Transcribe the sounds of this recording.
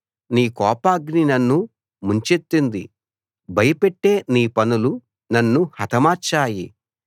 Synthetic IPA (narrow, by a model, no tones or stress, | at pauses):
niːkɔːpaːɡninɐnːu | muɲt͡ʃet̪ːind̪i | bɐjɐpeʈːe̞ːniːpɐnulu | nɐnːuhɐt̪ɐmaːt͡ʃaːjḭ